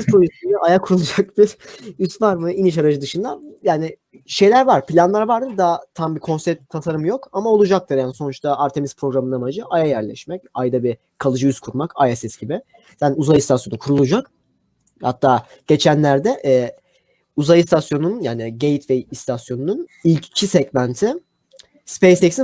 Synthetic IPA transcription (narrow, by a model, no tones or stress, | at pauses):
izpʰolisijɛʔajakʰuɾulˠud͡ʒak̚biɾyst̪vaɾmɯiniʃaɾad͡ʒɯd̪ɯʃɯnd̪ajaːnɪ | ʃe̞jlʲæɾvaɾ̥pʰilʲanlˠaɾvaɾd̪ɯɾd̪at̪ʰambikʰo̞nsɛt̪ʰːasaɾɯmjo̞kamao̞lˠud͡ʒak̚t̪ɯɾjaːnso̞nut͡ʃt̪ʰaaɾt̪ʰe̞mispʰɾo̞ɡɾamɯnamad͡ʒɯʔajajæɾlʲɛ̰ʃmɛc̚ajd̪abi | kʰalˠɯd͡ʒɯyzkʰuɾmakajɛsɛsɟibɪ | sænuzajɯst̪asjo̞nukʰuɾulˠud͡ʒak | ha̰t̪ʰːaː | ɟ̥e̞t͡ʃʰænlʲæɾd̪ɛʔɛː | uzajɯst̪ʰasjo̞nunnjaːnɪɟe̞jit̪ʰvɛist̪ʰasjo̞nununilʲccʰisɛɟmænt̪ʰi | spejsɛcsi